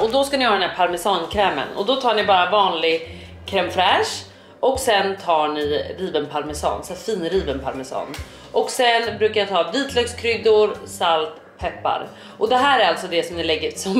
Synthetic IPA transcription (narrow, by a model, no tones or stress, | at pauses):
ɔd̪ɔskanɪhɑːdɛnæːɾpʰaɾmɛsɑːnkʰɾɛːmə̰nɔ̰d̪ɔt̪ʰɑːɳɪbɑːɾavɑːnlɪɡ | kʰɾɛmfɾɛʂ | ɔksɛnt̪ʰɑːɳɪɾiːvənpʰaɾmɛsɑ̰ːnsɛfiːnɾiːvənpʰaɾmɛsɑ̰ːn | ʔɔksɛnbɾʉ̟ːkajat̪ʰɑːviːt̪ʰlœɡskʰɾʏɡd̪ʊɾsalt̪ | pʰɛpːa̰ɾ | ʔɔd̪ɛɦæːɾæɾalt̪sɔd̪ɛsɔmnɪlɛɡːəɾsɔm